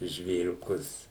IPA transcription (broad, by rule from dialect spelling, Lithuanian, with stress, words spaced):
ʒʲʋʲeːrʲʊˈkʊs